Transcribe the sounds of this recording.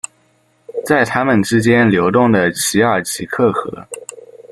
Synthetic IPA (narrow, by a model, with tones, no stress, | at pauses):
t͡sa˥˩ɪt̪ʰa˥mə˨nʈ͡ʂɻ̩˥t͡ɕjɛ˥nljo˧˥ʊt̪ʊ˥˩ŋd̪ə˩t͡ɕʰi˧˥ə˞˨˩t͡ɕʰi˧˥kʰɤ˥˩xɤ̰˧˥